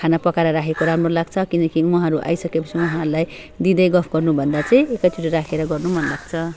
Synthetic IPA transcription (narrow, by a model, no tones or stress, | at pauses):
kʰanapʌkaɾʌɾakʰekoɾamrolaɡt͡sʰʌkinʌkiwuɦãɾuʔa̰jsʌkepʌt͡sʰiʌɦãɾulaj | d̪id̪ʌjɡʌpʰɡʌrnubʱʌnd̪at͡saĩekat͡suʈiɾakʰeɾʌɡʌrnumʌnlaɡ̚t͡sʰʌ